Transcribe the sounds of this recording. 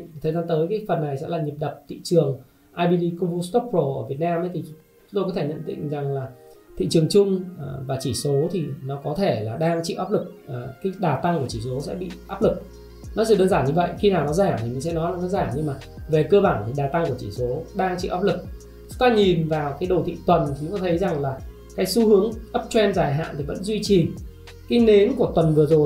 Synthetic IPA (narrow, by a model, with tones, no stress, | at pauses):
t̪ʰə˨˩za˨˦nt̪əː˨˦jkaː˨˦jfə˨˩nːa˨˩jsɛ̰˧˥laː˨˩ɲi˨˩p̚ɗə˨˩p̚t̪ḭ˧˨t͡ɕɨ˨˩əŋ | ʔaː˧jɓi˧ɗi˧ku˧ŋ͡mvu˧st̪ɔ˦˥p̚ːɹo˧˩ʔəː˧˩vi˨˩ət̚naː˧mʔə˨˦jt̪ʰi˨˩t͡ɕʊ˨˦ŋ͡mt̪o˧jkɔ˨˦tʰe˧˩ɲə̰˧˨nt̪ḭ̈˧˨ŋ̟za˨˩ŋlaː˨˩t̪ʰḭ˧˨t͡ɕɨ˨˩əŋt͡ɕʊ˧ŋ͡mvaː˨˩t͡ɕi˧˩so˨˦t̪ʰi˨˩nɔ˨˦kɔ˨˦t̪ʰe˧˩laː˨˩ɗaː˧ŋt͡ɕḭ˧˨ʔaː˦˥p̚lɨ˨˩k̚ʔːkaː˨˦jɗaː˨˩t̪a˧ŋku˧˩ət͡ɕi˧˩so˨˦sɛ̰˧˥ɓḭ˧˨ʔaː˦˥p̚lɨ˨˩k̚ | nɔ˨˦sɨ˨˧˩ɗəː˧nzaː˧˩ɲɨ˧və̰˧˨jxi˧naː˨˩wnɔ˨˦zaː˧˩t̪i˨˩mi˨˩ŋ̟sɛ̰˧˥nɔ˨˦laː˨˦zə˨˦nzaː˧˩ɲɨ˧ŋmaː˨˩ve˨˩kəː˧ɓaː˧˩nt̪ɗaː˨˩t̪a˧ŋku˧˩ət͡ɕi˧˩so˨˦ɗaː˧ŋt͡ɕḭ˧ʔaː˦˥p̚lɨ˨˩k̚ | t͡ɕʊ˨˦ŋ͡mt̪aː˧ɲi˨˩nvaː˨˩wkaː˨˦jɗo˨˩t̪ʰḭ˧˨t̪wə˨˩nt͡ɕʰi˨˦kɔ˨˦t̪ʰə˨˦jza˨˩ŋlaː˨˩ | kaː˨˦jsu˨˦hɨ˨˦əŋʔə˦˥p̚t͡ɕwɛ˧nzaː˧˩jɦa̰ː˧˨nt̪ʰi˨˩və̰˧˥nzwi˧t͡ɕi˨˩ | kaː˨˦jne˨˦nku˧˩ət̪wə˨˩nvɨ˨˩əzo˨˩j